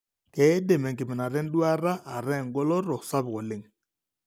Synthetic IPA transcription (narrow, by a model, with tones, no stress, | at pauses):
kɛ˨˦de˨mɛ˨ŋkɪ˨mɪ˨na˨ɾɛ˦n˦dwa˦ɾa˦a˨ɾɛ˦˨ŋɡɔ˦lɔ˦ɾɔ˨sa˦bkɔ˨lɪ˦ŋ